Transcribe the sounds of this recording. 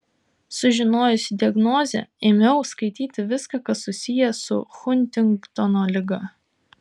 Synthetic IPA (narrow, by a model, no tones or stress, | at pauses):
sʊʒʲɪnoːjʊsʲɪd̪ʲɪɐɡnoːzʲɛ̰ɪmʲɛʊskɐɪt̪ʲiːt̪ʲɪʋʲɪskɐkɐsʊsʲɪjɛsʊ̰xʊnʲˑt̪ʲɪŋkt̪ɔnoːlʲɪɡɐ